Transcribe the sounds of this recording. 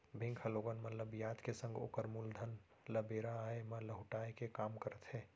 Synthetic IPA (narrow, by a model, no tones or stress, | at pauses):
bʱɪ̃ŋkʰəloːɡənmət̪ləbjaːd̪kesə̃ŋɡo̰ːkəɾmuld̪ʱən | ləbeːɾaemələɦʊʈaːekekaːmkəɾət̪ɦɛː